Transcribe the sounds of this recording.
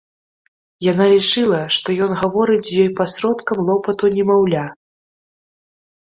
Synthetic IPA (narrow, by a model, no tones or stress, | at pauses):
janalʲit͡ʂɨlˠɐʂt̪ɔjɔnɣavɔɾɨt͡sʲjɔjpasɾɔt̪kɐmlˠɔpɐt̪unʲɛmawlʲa